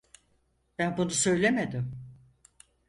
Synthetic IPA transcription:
bænbunusø̞jlʲemed̪ɪm

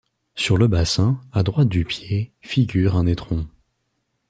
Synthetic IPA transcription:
syʁləbasɛ̃ad̪ʁwat̪̚d̪ypjefiɡʲyʁɛ̃net̪χɔ̃

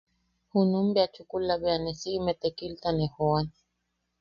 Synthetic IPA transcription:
hunumbeat͡ʃukulaβeanesiʔimet̪ekilt̪anehoan

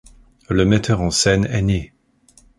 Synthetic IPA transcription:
ləmɛt̪ʰœʁɑ̃sɛnɛne

